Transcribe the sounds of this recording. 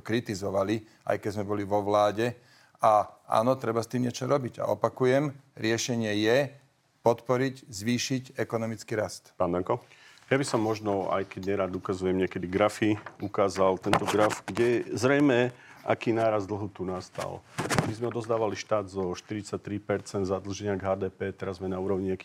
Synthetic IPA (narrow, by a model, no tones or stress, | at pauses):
kɾit̪izɔʋali | a̰jkɛzmɛbɔliʋɔʋlaːɟɛ | aʔa̰ːnɔt̪ɾɛbast̪iːmɲɪɛt͡ʃɔɾɔbiɟa̰ɔpakujɛm | ɾɪɛʃɛɲɪɛjɛ | pɔt̪pɔɾiɟzʋiːʃicɛkɔnɔmit͡skiɾast̪paːnd̪aŋkɔ | jabisɔmːɔʒnɔa̰jkɛɟɲɛɾaːd̪ukazujɛmɲɪɛkɛd̪iɡɾafiukaːzalt̪ɛnt̪ɔɡɾafɡɟɛzɾɛjmɛʔa̰kiːnaːɾazd̪l̩ˠɦut̪unast̪a̰lmizmɛɔd̪ɔzd̪aːʋaliʃt̪aːd̪zɔʃt̪iɾit͡sac̚t̪ɾipɛɾt͡sɛnd̪zad̪l̩ʒɛɲɪaɡɦaːd̪ɛːpɛːt̪ɛɾazmɛnauːɾɔʊɲiaki